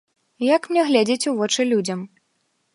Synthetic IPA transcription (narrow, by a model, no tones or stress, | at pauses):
jɐkmnʲɛɣlʲɛd͡zʲɐt͡sʲuvɔt͡ʂɨlʲud͡zʲɐm